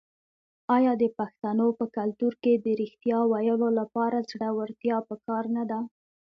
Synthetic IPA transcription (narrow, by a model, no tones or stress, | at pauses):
ɑjɑd̪əpaxt̪anopəkalt̪uɾked̪əɾixt̪jɑwajəlolapɑɾazɽawaɾt̪jɑpəkɑɾnad̪a